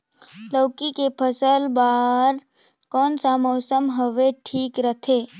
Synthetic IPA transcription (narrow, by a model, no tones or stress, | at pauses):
ləːkikepʰəsəlbaːɾ | kɔːnsamɔːsəmɦəʋeʈʰiːkɾət̪ʰeː